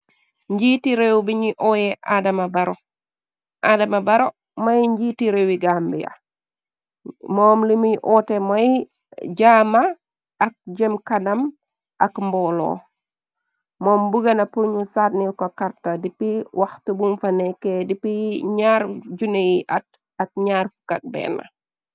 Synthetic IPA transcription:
ɲɟitiɾewbiɲiʔɔjɛʔadɐmɐbɐɾo | ʔadɐmɐbɐɾo | mɐjɲɟitiɾewiɡambijɐ̰ | mɔːmlimijʔɔːtemoj | ɟaːmaː | k̚d͡ʒɛmkɐnɐm | ʔɐkmbɔlo̰ | mɔːmbuɡɐnɐpuɲusaːtnikokɐɾtɐdipiwɐxtubunfɐnekedipiɲaɾɟunejiʔɐt̚ | ɐk̚ɲaɾfu̥kɐk̚bɛ̰nːɐ̰

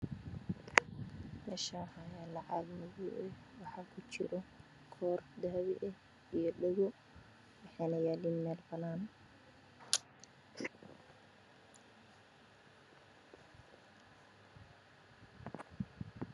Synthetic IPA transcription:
mɛʃaːhaːjalɑʕɑɡmʊðuʔɛ | wɑħɑːkʰʊt͡ʃɪ̰ɾɔ | kʰɔːrd̪aːβɪ̰ʔɛh | ijɔɗɛɣɔ | wɑħɛːnɐjaːlinmɛːlbɐnaːn

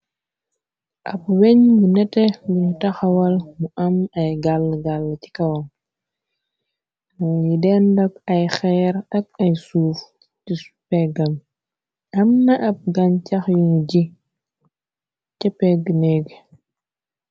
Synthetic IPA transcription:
ʔɐp̚wɛɲbunɛtɛbuɲtɐxɐwɐlmuʔɐmɐjɡalːɡalːci̥kɐwɐl | jidɛndɐkɐjxɛɾɐk̚ɐjsuːf | tisu̥pɛɡɐm | ɐmnɐʔɐp̚ɡɐncɐxjunɟi | cɛpːɛɡnɛɡ

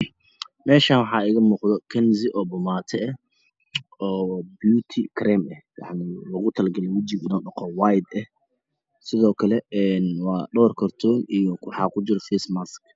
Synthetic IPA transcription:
mɛːʃaːnwɑħɑːɪɣɐmuːqðɔkʰɐnsɪʔɔːbʊmaːt̪ʰɛɛ | ɔːbjuːt̪ʰɪkʰɾɛmɐhjɑ̰ʕnɪlɐɣʊt̪ʰɐlɡɐlɛwɐt͡ʃɪɡɪnɔːɖɐqɔwajd̪ɛh | sɪðɔːkʰɐlɛɛːnwɑːɖɔrkʰɐrt̪ʰɔːnijɔwħɑ̰ːkʰʊd͡ʒɪɾɔfɛsmask

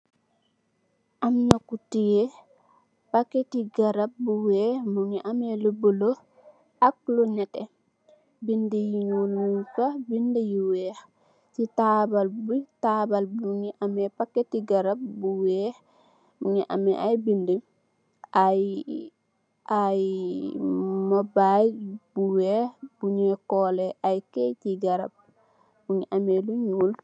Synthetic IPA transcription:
ʔamnakutijɛ | pakːetiɡaɾab̚buwɛhmuŋɛʔamɛlubolo | ʔak̚lɔnɛtɛ | bindejiŋolmuŋkabindejiwɛh | titabalbutaːbalbuɲiʔamɛpakːetiɡɐɾab̚buwɛːh | buɲiʔa̰mɛʔajbinde | aj | aj | mabajbuwɛhb̥uɲɛkɔːlɛʔajkɛjtiɡɐɾa̰b̚ | buɲiʔamɛluɲuːl

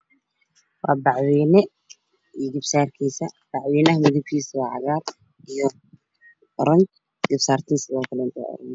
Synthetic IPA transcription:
wɑːbɑʕwiːnɛ | ijɡɪbsaːrkʰiːsɐb̥ɑʕwiːnɐɦɐmʊðʊb̚kʰiːsɐwaːʕɑɣaːr | ijɔ | ɔɾɐn | ɡɪbsaːrt̪ʰɪnsɪðɔːkʰɐlɛnt̪ʰɔ̰ʔɔ̰ɾɐn

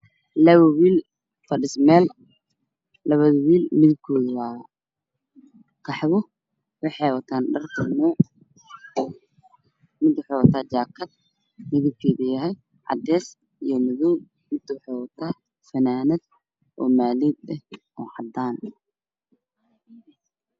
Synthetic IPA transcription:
lɐβɐwiːl | fɐɖɪsmɛːl | lɐβɐðɐwiːlmɪðɪb̚kʰɔːðʊwaːɐ | kʰɑħβʊ | wɑħɑjwɐt̪ʰaːnɖɐrt̪ʰɐnɔːʕ | mɪd̪wɑħɛjwɐt̪ʰaːt͡ʃaːkʰɐd̪̚ | mɪðɪb̚kʰɛːðʊjɐɦɛj | ʕɑ̰d̪ɛːs | ijɞmʊðɔːb̚ | mɪd̪̥wɑħɛwɐt̪ʰaː | fɐnaːnɪd̪ | ʔɔːmaːliːd̪ɐh | ɔːʕɑd̪aːn

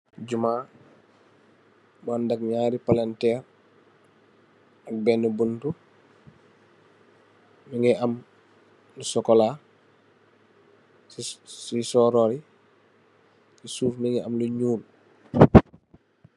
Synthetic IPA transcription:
ɟumaː | bandɐk̚ɲaːɾipalɛntɛɾ | ɐk̚bɛnːubuntu | miŋɛʔɐm | lusɔkɔla | sisɔːɾɔːɾi | sisuːfmiŋɡɛɐmluɲuːl

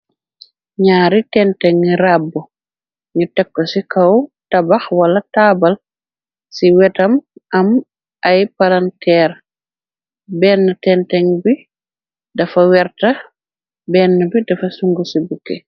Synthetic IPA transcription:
ɲaːɾitɛntɛŋɾabːɔ | ɲutɛkːɔsikawtabaxwalːatabal | siwɛtamʔam | ʔajpalantɛːɾ | bɛnːatɛntɛŋbi | dafawɛɾta | bɛnːabidafasuŋɡusibukːɛ

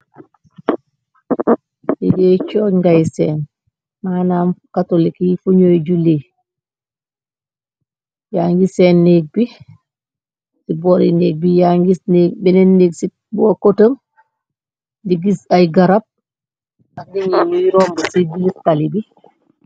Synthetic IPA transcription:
diɡɛt͡ʃɔːɲŋɡajsɛːn | maːnaːmkatolikifuɲojɟuli | jaːŋɡisɛːnːeːɡ̚bi | sibɔɾineːɡ̚bijaŋɡisneɡ̚binɛnːiɡsi | boːkotəm | diɡisajɡaɾap̚ | adiɲinujiɾombasidiɡiskalibi

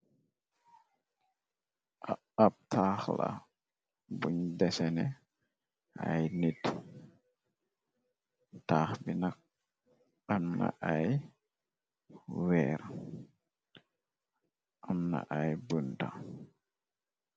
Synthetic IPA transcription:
ʔa | ap̚tʰaːxla̰ | buɲdɛsɛnɛ | a̰jnit | taːxbinak̚ | amna̰ʔaj | wɛːɾ | ʔamna̰ʔajbunda̰

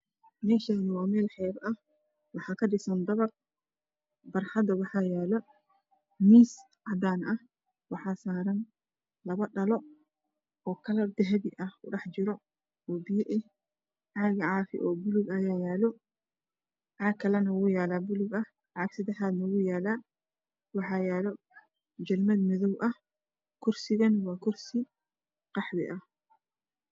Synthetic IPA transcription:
mɛːʃaːnɪwɑːmɛːlħɛːɾɐh | wɑħɑːkʰɐɖɪsɐnd̪ɐβɐr | bɐrħɑd̪ɐwɑħɑːjaːlɔ | miːs | ʕɑd̪aːnʔɐh | wɑħɑːsaːɾɐn | lɐβɐɖɐlɔ | ɔːkʰɐlɐb̚d̪ɛɦɛðiʔɐhʊɖɑħt͡ʃɪɾɔ | ɔːbɪjɛʔɛh | ʕaɣɐʕaːfɪ̰ʔɔːbʊlʊɡɐjaːjaːlɔ | ʕaːkʰːɐlɐnɐwʊjaːlaːbʊlʊɡɐ | ʕɑɡsɪd̪ɐħaːd̪nɐwuːjaːlaː | wɑħɑːjaːlɔ | d͡ʒɐlmɐd̪mɪðɔwʔɐh | kʰʊɾsɪɣɐnwɑːkʰʊrsɪ | qɑħwɪ̰ʔɐh

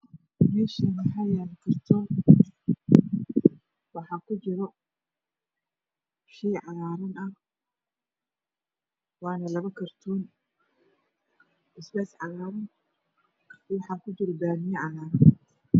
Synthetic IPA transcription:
mɛːʃɐmɐħɑjaːlkɪrt̪ʰɔ | wɑħɑkʰʊt͡ʃɪɾɔ | ʃiːʕɑɣaːɾɪnɐh | wɑːnɐlɐβɐkʰɐrt̪ʰuːn | ʔɪsbɛːsʕɑɣaːɾɪn | wɑħɑːkʰʊt͡ʃɪɾɔd̪aːnijɐʕɑɾaːɾɪn

